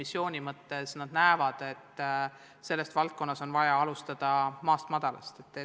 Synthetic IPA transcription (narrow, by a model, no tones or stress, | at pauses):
misːjo̞ːnʲimɤt̪ːe̞snɑd̪̥næevɑd̪̥e̞t̪ː | se̞lːe̞st̪vɑlt̪̚ko̞nːɑso̞nvɑjɑɑlust̪ɑd̪̥ɑmɑːst̪mɑd̪̥ɑlɑ̰st̪e̞t̪ːˑe